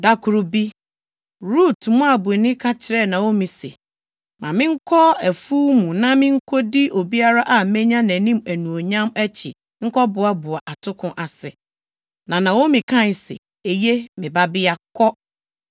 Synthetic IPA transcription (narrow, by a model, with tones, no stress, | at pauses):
da˨kʰʊ˨ɾʊ˨bi˦ | ɾu˦˨tmʊ̃˦a˨bʊ˨nɪ̃˦kʰa˦t͡ɕʰɪ˨ɾɛ˦˨nã˨wo˦mĩ˨sḛ˨ | mã˨mɪ̃˦ŋ̩˦kʰɔ˦æ˨fuː˦mũ˨nã˦mɪ̃˦ŋ̩˦kʰɔ˦di˦ʔo˨bi˦a˦ɾa˦ʔa˨˦mɛ̃˦ɲã˦næ̃˨nĩ˦mæ˨nũ˨o˨ɲã˦mæ˦t͡ɕʰɪ̰˨ | ŋ̩˦kɔ˦bʊ˨a˦bʊ˨a˨ʔa˨tʰʊ˦kʰʊ̃˦ʔa˨sɪ˨ | nã˨nã˨wo˦mĩ˨kʰã˦n˨sḛ˨ | e˨je˦mɪ̃˨ba˦bɪ˦a˦˨kʰɔ˦